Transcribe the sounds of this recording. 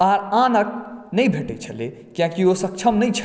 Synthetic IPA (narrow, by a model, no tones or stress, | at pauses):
aːɾãnək̚nəĩbʱeʈḛt͡ʃʰəlḛ | kjãkiosək̚t͡ʃʰəmnəit͡ʃʰ